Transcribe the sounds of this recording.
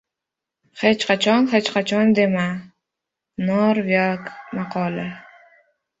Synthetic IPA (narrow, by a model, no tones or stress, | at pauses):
het͡ʃqʰat͡ʃʰɒnhet͡ʃqʰat͡ʃʰɒnd̪e̞ma | nɒɾvakmaqʰɒlˠa